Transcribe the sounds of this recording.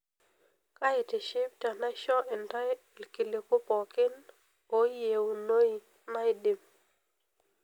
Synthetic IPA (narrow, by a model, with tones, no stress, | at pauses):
ka˦ɪ˨tɪ˨ʃɪ˦p̚ta˨na˦ʃɔ˦ʔɪ˨nda˦ | lki˨le˨ko˦pɔ˨kɪ˦n | o˨˦je˨o˨no˦i˨ | na˦ɪ˦dɪ˨m